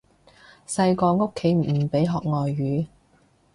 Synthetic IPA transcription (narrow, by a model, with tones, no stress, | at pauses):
sɐ˧jkɔː˧ŋo˥kʰːe˨˥jm̩˨˩pe˨˥jɦɔː˨k̚ŋɔː˨jːyː˨˥